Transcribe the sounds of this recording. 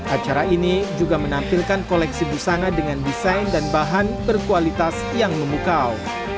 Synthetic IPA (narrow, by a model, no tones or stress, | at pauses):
ʔat͡ʃaɾainid͡ʒuɡamənampilkankolɛksibərsanadəŋandisajndanbaɦanbərkualit̪as | jaŋməmukaw